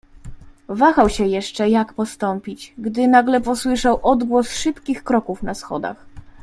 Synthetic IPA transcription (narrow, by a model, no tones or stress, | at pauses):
vaxawɕɛjɛʂt͡ʂɛjakpɔst̪ɔmpʲit͡ɕɡd̪ɘnaɡlɛpɔswɘʂawʔɔd̪ɡwɔsʂɘpkʲixkɾɔkufnasxɔ̰d̪a̰x